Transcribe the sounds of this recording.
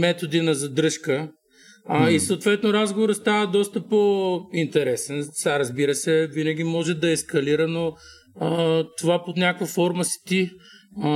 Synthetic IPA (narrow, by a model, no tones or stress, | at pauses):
mɛt̪od̪inɐzɐd̪ɾɤʃkə | isɐʊt̪vɛt̪noɾazɡovoɾəst̪avəd̪ɔst̪əpoint̪ɛɾɛsɛnsaɾɐzbiɾəsɛvinɐɡʲimɔʒɛd̪ɐɛskɐliɾəno | t̪ovaponʲakvɐfɔɾməsi̥t̪i